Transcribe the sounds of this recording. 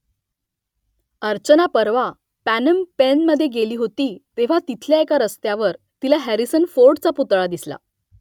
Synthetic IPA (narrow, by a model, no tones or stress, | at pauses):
əɾt͡ɕənapəɾʋa | pænəmpenməd̪ʱːjeɡeliːɦot̪iːt̪eʋ̤at̪it̪ʰljaekaɾəst̪jaʋəɾ | t̪ilaɦæɾisənfoɾɖt͡saput̪ɭad̪isla̰